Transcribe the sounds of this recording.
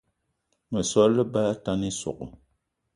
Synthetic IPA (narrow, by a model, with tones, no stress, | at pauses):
mə˨sɔ˦lːə˦ba˦ta˦ni˦sɔ̰˨ʔṵ˨